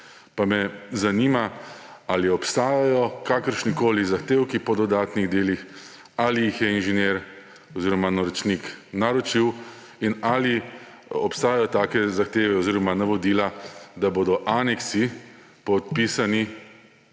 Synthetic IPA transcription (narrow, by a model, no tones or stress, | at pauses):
pamɛzaniːmaaliɔpst̪aːjajɔkaːkəɾʃnikoːlizaxt̪eːwkipɔd̪ɔd̪aːt̪niɣd̪eːlix | alijixjɛinʒɛnjeːɾ | ɔziːɾɔmanɔɾɔt͡ʃniknaɾɔt͡ʃiw | inaːli | ɔpst̪aːjajɔt̪aːkɛzaxt̪eːʋɛɔziːɾɔmanaʋɔd̪iːlad̪aboːd̪ɔʔanɛksi | pɔt̪pisani